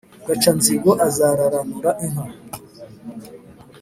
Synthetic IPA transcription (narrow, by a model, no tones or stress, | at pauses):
ɡat͡ʃanziɡoʔazaɾaɾanuɾaʔin̥hu